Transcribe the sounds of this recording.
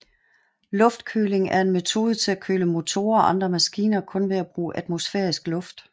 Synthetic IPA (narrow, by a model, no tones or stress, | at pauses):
lɔ̽fd̥kʰø̰ːle̝ŋæɐe̝nme̝t͡sʰo̝̰ːð̞ˠət͡sʰe̝lækʰøːləmo̝t͡sʰo̝̰ːɐɒ̽ʔɑ̈nd̥ʁɐmæsɡ̥ḭːnɐkʰɔ̽nʋe̝æb̥ʁṵːʔæd̥mo̝sfeɐisɡ̥lɔ̽fd̥